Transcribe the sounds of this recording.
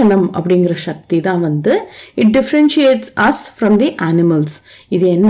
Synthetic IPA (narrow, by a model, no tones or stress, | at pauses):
ɐnɐmɐ̰pːɐɽɪŋɡɪɾɐʃɐk̚t̪it̪ãːʋɐnd̪ɯɪʈ̚ɖɪfɐɾɛnʃieːʈsɐsfɾɔ̃md̪iʔaːnɪmɐlsɪðɯɛnː